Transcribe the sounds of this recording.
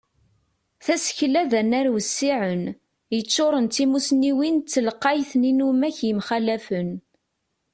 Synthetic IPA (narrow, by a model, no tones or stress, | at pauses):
θæsə̥çlæðənæɾwəsːiʕən | jət͡sːoɾˤənt̪imusniwint͡sːəlqːɑjθninumæçjəmχælæfən